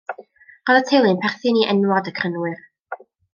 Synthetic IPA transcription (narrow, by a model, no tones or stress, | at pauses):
ɔðətʰejlˠɨnpʰɛrθɨniʔɛnwɔdəkʰrənwɨr